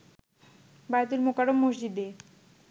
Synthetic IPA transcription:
bajt̪̬ulmokaɾomːoʃd͡ʑid̪e

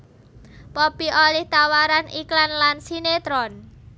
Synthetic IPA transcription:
pɔpiʔolɪht̪awaɾaniklanlansinet̪ɾɔn

